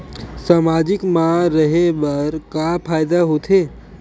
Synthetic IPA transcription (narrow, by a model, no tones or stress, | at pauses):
saːmaːd͡ʒɪkmãɾəɦebɐɾkapʰaːjd̪aɦot̪ʰeː